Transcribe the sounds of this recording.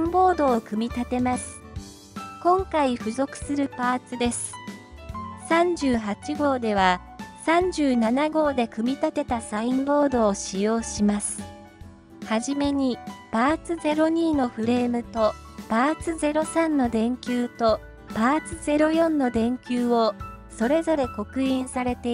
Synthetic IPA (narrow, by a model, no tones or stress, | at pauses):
ĩmbo̞ːd̪o̞ːkɯ̟mʲit̪at̪e̞masɨ̥ | kõ̞ŋkaiɸɯ̟zo̞kɯ̟̥sɨɾɯ̟paːt͡sɨd̪e̞sɨ̥ | sãɲ̟d͡ʑɨːɦat͡ɕiɡo̞ːd̪e̞β̞a | sãɲ̟d͡ʑɨːnanaɡo̞ːd̪e̞kɯ̟mʲit̪at̪e̞t̪asaĩmbo̞ːd̪o̞ːɕijo̞ːɕimasɨ̥ | haʑime̞ɲ̟ipaːt͡sɨze̞ɾo̞ɲ̟iːno̞ɸɯ̟ɾe̞ːmɯ̟t̪o̞ | paːt͡sɨze̞ɾo̞sãnːo̞d̪ẽ̞ŋkʲɨːt̪o̞ | paːt͡sɨze̞ɾo̞jõ̞nːo̞d̪ẽ̞ŋkʲɨːo̞so̞ɾe̞zo̞ɾe̞ko̞kɯ̟ĩɰ̃saɾe̞t̪e̞